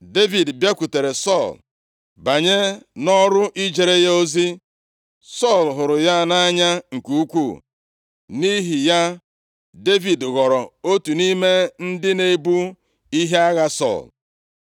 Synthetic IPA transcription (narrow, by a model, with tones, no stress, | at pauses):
de˦vi˨dbja˦kʷu˨te˨ɾe˨sɔ˦˨l | ba˨ɲe˦nɔ˦ɾʊ˦ʔi˦d͡ʒe˨ɾe˦ja˦o˦zi˦ | sɔ˦˨lɦʊ˨ɾʊ˨ja˦na˦ɲa˦ŋ̩˨ku˦kʷu˦˨ | ni˦ɦi˨ja˦ | de˦vi˨dɣɔ˨ɾɔ˨o˦tu˨ni˦me˦n̩˦dɪ˦ne˦bu˦ | i˦ɦe˦a˦ɣa˦sɔ̰˦˨l